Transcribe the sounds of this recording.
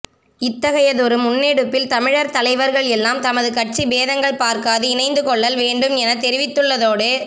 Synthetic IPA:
ɪt̪ːɐɣɐjɐðɔɾɯmʊnːeːɽɯpːɪlt̪ɐmɪɻɐɾt̪ɐlɐɪʋɐɾɣɐɭɛlːaːmt̪ɐmɐðɯkɐʈ̚t͡ʃibeːðɐŋɡɐɭpaːɾkaːðɯɪnɐɪnd̪ɯkɔɭːɐlʋeːɳɖɯmɛnɐt̪ɛɾɪʋɪt̪ːɯɭːɐðoːɽe

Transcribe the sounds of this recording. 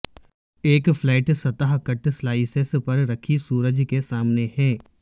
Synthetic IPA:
eːkflɛːʈsɐt̪əɦkəʈslaːɪsespɐɾɾɐkʰisuːɾəd͡ʒkesaːmnehɛː

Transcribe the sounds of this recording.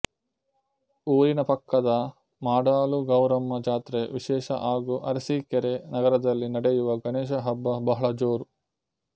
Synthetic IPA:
uːɾinɐpɐkːɐd̪ɐ | maːɖaːluɡɐwɾɐmːɐd͡ʒaːt̪ɾeʋiʃɛːʃɐ̰ʔaːɡuʔɐ̰ɾɐsikeɾenɐɡɐɾɐd̪ɐlːinɐɽejuʋɐɡɐneːʃ̬ɐɦɐbːɐbɐɦɐɭɐd͡ʒoːɾu

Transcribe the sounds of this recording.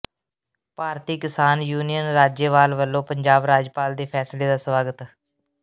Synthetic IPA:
paːɾt̪iːkɪsaːnjuːnijənɾaːd͡ʒeːʋaːlʋəlːõːpəɲd͡ʒaːbɾaːd͡ʒpaːld̪eːpʰɛːsleːd̪aːsʋaːɡət̪

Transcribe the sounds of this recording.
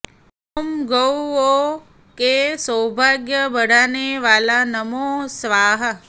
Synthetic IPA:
omɡəwo | kesəwbʱaɡjəbəɽaneʋalanəmosʋaɦə

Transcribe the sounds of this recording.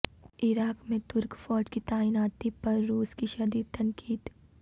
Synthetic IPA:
ɪɾaːkmẽt̪ʊɾkfɔːd͡ʒkit̪aːinaːt̪ipɐɾːuːskiʃɐd̪iːd̪t̪ɐ̃ŋkiːd̪

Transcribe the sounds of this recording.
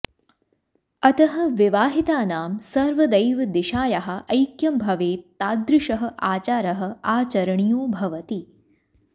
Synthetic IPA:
ɐt̪ɐɦɐ̆ʋiʋaːɦit̪aːnaːmsɐɾʋɐd̪ɐjʋɐd̪iʃaːjɐɦɐ̆ʔɐjkjɐmbʱɐʋeːt̪aːd̪ɾɪʂɐɦɐ̆ʔaːt͡ʃaːɾɐɦɐ̆aːt͡ʃɐɾɐɳijoːbʱɐʋɐt̪i

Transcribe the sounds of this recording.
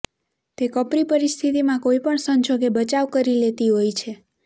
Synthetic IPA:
t̪ekəpɾipəɾist̪ʰit̪imãkoipəɳsəɲd͡ʒoɡebət͡ʃaʋkəɾilet̪iɦojt͡ʃʰe

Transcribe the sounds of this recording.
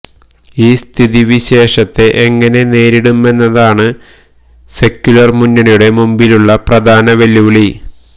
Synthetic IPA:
iːst̪ʰiðiʋiɕe̞ːʂɐt̪ːeʔeŋːɐne̞ne̞ːɾiɽume̞nːɐðaːɳɨ | se̞kʲːjulɐrmunːɐɳɐjuɽe̞mumbiluɭːɐprɐd̪ʱaːnɐʋeljuːɭi

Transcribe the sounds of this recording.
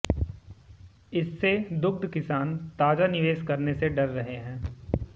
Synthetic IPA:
ɪsːed̪ʊk̚d̪kɪsaːnt̪aːd͡ʒanɪʋeːʃkɐɾneseɖɐɾːɐɦeɦɛ̃ː

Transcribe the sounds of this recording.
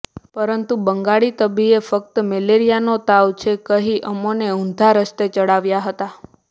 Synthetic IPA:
pəɾənt̪ubəŋɡaɭit̪əbiefək̚t̪əmeleɾijanot̪aʋt͡ʃʰekəɦiʔəmoneũnd̪ʱaɾəst̪et͡ʃəɽaʋjaɦət̪a

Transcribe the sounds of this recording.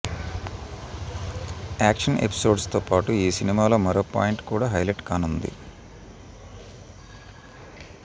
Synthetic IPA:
aːkʂɐnʔḛpi̥so̞ːɖst̪oːpaːʈuiːsinimaːlo̞ːmɐɾoːpa̰ːjiɳʈkuːɽaːɦɐjleʈkaːnund̪ḭ

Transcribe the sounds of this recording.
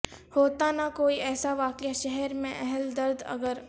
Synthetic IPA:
hoːt̪anakoːiɛːsaʋaːkjaʃɛɦɛɾmẽʔɛɦɛld̪ɐɾd̪ɐ̰ɡəɾ

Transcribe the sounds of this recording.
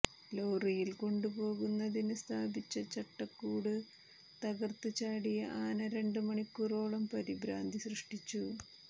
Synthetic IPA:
loːrijilko̞ɳɖupo̞ːɣunːɐðinɨst̪ʰaːbit͡ɕːɐt͡ɕɐʈːɐkːuːɽɨ | t̪ɐɣɐrt̪ɨt͡ɕaːɽijɐʔaːnɐɾeɳɖɨmɐɳikːuro̞ːɭɐmpɐɾibɾaːnd̪ʱisrɨʂʈit͡ɕːu

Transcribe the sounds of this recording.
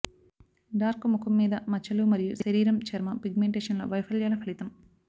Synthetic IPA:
ɖaːɾkmukʰɐmːiːd̪ɐmɐt͡ʃɐlumɐɾijuʃɐɾiːɾɐmt͡ʃɐɾmɐpiɡmeɳʈeːʂɐnlo̰ːʋɐjpʰɐljaːlɐpʰɐlit̪ɐm

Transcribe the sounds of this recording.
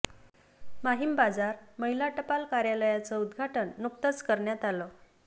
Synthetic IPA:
maɦimbad͡zaɾməɦilaʈəpalkaɾjaləjat͡sɔud̪ɡʱaʈəɳːuk̚t̪ət͡skəɾɳjat̪alɔ

